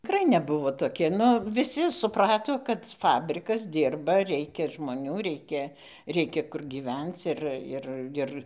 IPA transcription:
tʲɪˈkrɐɪ nʲɛˈbʊʋoː ˈtoːkʲɪ ˈnʊ ʋʲɪˈsʲɪ sʊˈprɑːtoː kɐt ˈfɑːbʲrʲɪkɐs ˈdʲiːrbɐ ˈrʲɛɪkʲɛ ʒmoːˈnʲuː ˈrʲɛɪkʲɛ ˈrʲɛɪkʲɛ kʊr ɡʲiːˈʋʲɛnt͡s ˈɪr ˈɪr ˈɪr

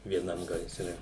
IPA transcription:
ʋʲiɛˈnɐm ɡɐɪˈsʲrʲɛ

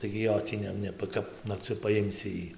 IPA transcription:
tɐɪ ɡʲɪ ˈjoː tʲiː ˈnʲɛ ˈnʲɛ ˈkɐp nɐkˈt͡sʲʊ pɐˈjɪmʲsʲɪ ˈjiː

